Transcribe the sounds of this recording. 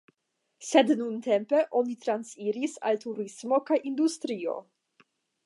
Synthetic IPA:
se̞dnunte̞mpe̞ʔo̞nit̪ɾansiɾisa̰ltuɾismo̞kajʔind̪ust̪ɾio̞̰

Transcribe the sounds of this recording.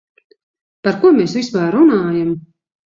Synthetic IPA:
paɾkuɔmeːsvispaɾunaːjam

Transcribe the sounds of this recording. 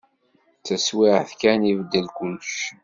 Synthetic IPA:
t͡sːæswɪʕθkænivəd̪ːəlkʊlʃ

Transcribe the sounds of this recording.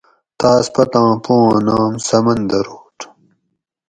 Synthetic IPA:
t̪aːspɐt̪ãːpõːãːnaːmsɐmɐnd̪ɐɾoːʈ

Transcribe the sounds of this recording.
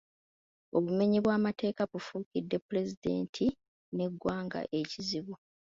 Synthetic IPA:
o̞βume̞ɲiβwaːmate̞ːkaβufuːkidːe̞puɾe̞zide̞̰ːntʰi | ne̞ɡːwaːŋɡa̰ʔe̞ciziβu

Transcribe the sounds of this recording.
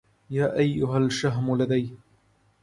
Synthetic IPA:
jaːʔajːʊɦalʃaɦmʊlad̪ajh

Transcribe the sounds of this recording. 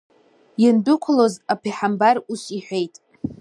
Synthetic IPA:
jɪndʊkʷʰalo̞zapʰiħambaruʃʷiħʷᶣe̞jtʼ

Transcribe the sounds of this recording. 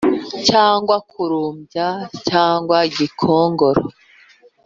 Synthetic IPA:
caːŋɡwakʰuɾuːmɟacaːŋɡwaiɟikʰoːŋɡoɾo̰

